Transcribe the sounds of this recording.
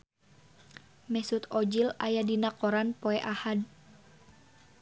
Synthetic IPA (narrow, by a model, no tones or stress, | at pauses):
mɛsut̪ɔd͡ʒilajadinakɔɾanpoɛʔahad